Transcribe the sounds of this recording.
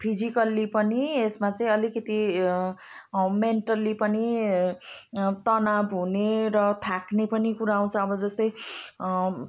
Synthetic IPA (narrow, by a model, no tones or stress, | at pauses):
pʰid͡zikʌlipʌniesmat͡sʌĩʌlikʌt̪i | ʌmeɳʈʌlipʌni | t̪ʌnabʱɦuneɾʌt̪ʰaknepʌnikuɾaw̃t͡sʰʌʌbʌd͡zʌst̪ʌj